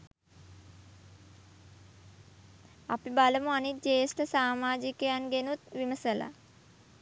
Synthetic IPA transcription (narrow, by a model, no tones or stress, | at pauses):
apibaləmuanit̪̚d͡ʒeːsʈəsaːmaːd͡ʒikəjanɡenut̪ʋiməsəla̰